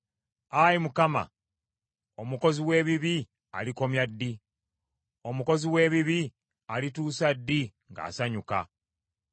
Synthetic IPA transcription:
ajimukama̰ | omuko̞ziwe̞ːβiβi | a̰liko̞mjadːi | o̞muko̞ziwe̞ːβiβi | alituːsadːi | ŋɡa̰ːsaɲuka̰

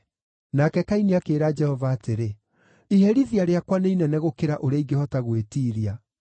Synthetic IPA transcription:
nakɛkainiakeːɾaːd͡ʒɛhɔvaːteɾe | ihɛɾiðiaɾeakwaneinɛnɛɣokeɾaʔoɾeaiɡehɔtaɣwetiːɾia

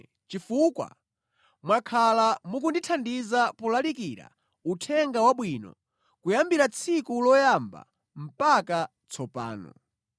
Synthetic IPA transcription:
t͡ʃifukwa̰ | mwakʰalamuk̬unditʰandizapɔlalikiɾa̰ | utʰɛŋɡawaɓwinɔ̰ | kujambiɾat͡sʰikulɔjamba̰ | m̩paka | t͡sʰɔpa̰ːnɔ̰

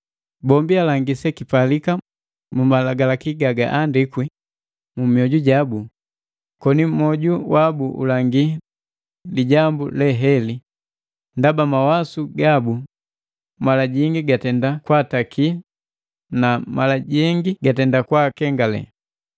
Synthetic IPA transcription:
bɔmbialaŋɡisɛkipalika | mumalaɡalakiɡaɡaʔandikwi | mumiɔɟuɟabu | kɔnim̩mɔɟuwabuʔṵlaŋɡi | liɟambulɛɦɛli | ndabamawasuɡabu | malaɟiŋɡiɡatɛndakwatakʰi | namalaɟɛŋɡiɡatɛndakwakɛŋɡalɛ̰

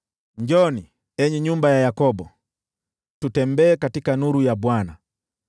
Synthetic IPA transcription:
ɲd͡ʒɔni | ɛɲɛɲumbajajakɔbɔ | tutɛmbɛːkatikanuɾujabwana

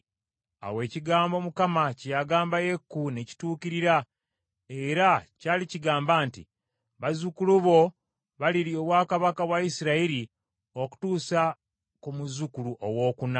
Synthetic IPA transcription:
a̰we̞ːciɡaːmbo̞mukamacjaɡaːmbajekːuneci̥tuːkiɾiɾa | eɾacaːliciɡaːmbaːntḭ | βazukuluβo̞ | βaliɾioβwaːkaβakaβwaisiɾaiɾi | o̞ku̥tuːsa | kumuzukuluʔowo̞ːkuna

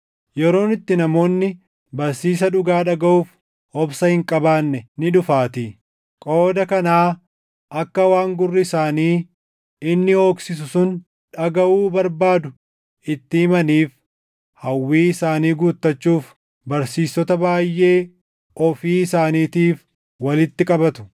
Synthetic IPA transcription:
jɛɾo̞ːnɪt̪ːɪnɐmo̞ːnːɪ | bɐɾsiːs̬ɐᶑʊɡaːᶑɐɡɐʔuːf | hɔbsɐhɪŋkʼɐbaːnːɛnɪᶑʊfaːt̪ɪ | kʼo̞ːd̪ɐkɐnaː | ʔɐkːɐwaːŋɡʊrːɪɪsaːniː | ɪnːɪo̞ːksɪs̬ʊsʊn | ᶑɐɡɐʔuːbɐɾbaːd̪ʊ | ʔɪt̪ːɪhɪmɐniːf | hɐwːiːɪsaːniːɡuːt̪ːɐt͡ʃːuːf | bɐɾsiːsːɔt̪ɐbaːjːʔe̞ː | ɔfiːɪsaːniːt̪iːf | wɐlɪt̪ːɪkʼɐbɐt̪ʊ̥

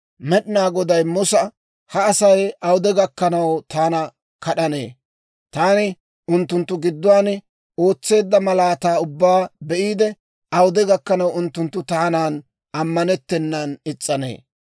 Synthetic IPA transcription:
mɛɗɪnaːɡɔd̪ɐjmʊsɐ | hɐːsɐjɐwd̪ɛɡɐkːɐnɐwt̪aːnɐ | kɐɗɐne̞̰ː | t̪aːnɪ | ʔʊnt̪ːʊnt̪ːʊɡɪd̪ːʊwaːn | o̞ːt͡sːe̞ːd̪ːɐmɐlaːt̪aːʊbːaːbɛʔiːd̪ɛ | ʔɐwʊd̪ɛɡɐkːɐnɐwʊnt̪ːʊnt̪ːʊt̪aːnaːn | ɐmːɐnɛt̪ːɛnːɐnɪt͡sʼːɐnḛː

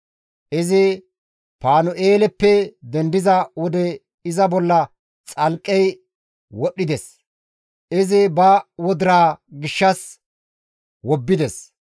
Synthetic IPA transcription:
ʔɪzɪ | paːnɔʔeːlɛpːɛd̪ɛnd̪ɪzɐwɔd̪ɛ | ɪzɐbɔlːɐ | t͡sʼɐlkʼːɛj | wɔɗːɪd̪ɛs | ʔɪzɪbɐwɔd̪ɪɾaːɡɪʃːɐs | wɔbːɪd̪ɛs

